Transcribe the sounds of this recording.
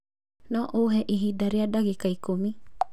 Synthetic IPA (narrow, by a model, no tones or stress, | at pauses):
nɔʔowɦɛʔiɦidaɾiadaɡikaikomi